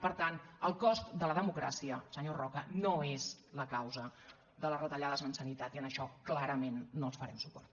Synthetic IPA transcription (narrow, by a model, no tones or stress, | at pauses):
pəɾt̪anəlˠkɔst̪d̪ələðəmukɾa̰siəsəɲorɔkənoezləkawzə | ðələrət̪əʎaðəzmənsənit̪at̪iənəʃɔklaɾəmenːolsfəɾɛmsupɔ̰rt̪